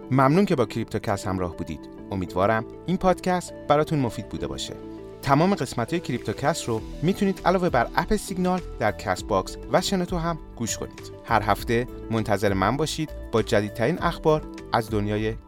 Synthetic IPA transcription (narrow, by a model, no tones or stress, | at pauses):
mæmnuːncʰe̞bɒːcʰɾip̚t̪ʰocʰæshæmɾɒ̰ːhbuːd̪ḭːd̪̥ | o̞miːd̪vɒ̰ːɾæm | iːnpʰɒːd̪̥cʰæst̪bæɾɒːt̪ʰunmo̞fiːd̪̚buːd̪e̞̰bɒ̰ːʃḛ | t̪ʰæmɒːme̞ɣe̞smæt̪ʰɒːjecʰɾip̚t̪ʰocʰæsɾomiːt̪ʰuniːd̪̥ælɒːve̞bæɾʔæpʰesiɟnɒːld̪̥æɾcʰæs̚bɒksvæʃenet̪ʰoɦæmɡ̥uːʃkʰo̞̰nḭːd̪̥hæɾɦæft̪e̞ | mo̞nt̪ʰæze̞ɾemænbɒːʃiːd̪̥b̥ɒːd͡ʒæd̪iːd̪̚t̪ʰæɾiːnʔæxbɒːɾ | æzd̪o̞njɒːje̞